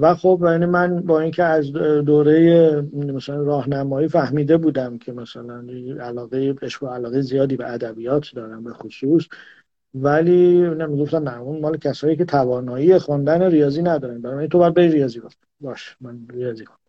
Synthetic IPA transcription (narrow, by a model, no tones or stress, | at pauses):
væxo̞bjænimænbɒːiːncʰeæzd̪oːɾe̞jemæsælænrɒːhnæmɒːiːfæhmiːd̪e̞buːd̪æmcʰe̞mæsælæniælɒːɣejeeʃoælɒːɣejezijɒːd̪iːbeʔæd̪æbiːjɒːt̪ʰd̪ɒːɾænbe̞xosuːs | væliːnemiɡo̞ft̪æmnæunmɒːlecʰæsɒːjiːcʰe̞t̪ʰævɒːnɒːiːexond̪æneɾijɒːziːnæd̪ɒːɾæn̚bænɔbæɾint̪obæɾdbeiɾijɒːziːɡoft̪ | bɒːʃi̥mænɾijɒːzixond̪